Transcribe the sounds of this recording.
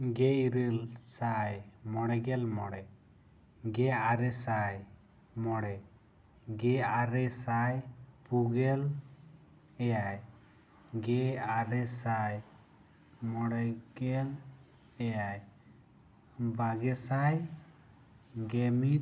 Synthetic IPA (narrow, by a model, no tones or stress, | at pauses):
ɡɛiɾəlsajmɔɽɛɡɛlmɔɽɛ | ɡɛaɾɛsaj | mɔɽɛ | ɡɛaɾɛsajpuɡɛl | ɛjaj | ɡɛaɾɛsaj | mɔɽɛɡɛl | ɛjaj | baɡɛsaj | ɡɛmi